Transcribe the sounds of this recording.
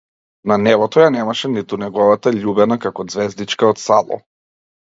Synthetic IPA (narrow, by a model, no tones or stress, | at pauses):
nanɛvɔt̪ɔjanɛmaʃɛnit̪unɛɡɔvat̪aʎubɛnakakɔd̪zvɛzd̪it͡ʃkaɔt̪salˠɔ̰